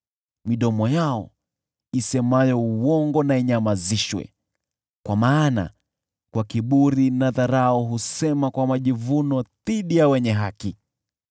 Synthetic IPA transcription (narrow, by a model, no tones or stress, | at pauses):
miɗɔmɔjaɔ | isɛmajɔuwɔŋɡɔnaiɲamaziʃwɛ̰ | kwamaːna̰ | kwakiɓuɾinaðaɾaɔɦusɛmakwamaʄivunɔðiɗijawɛɲɛɦaki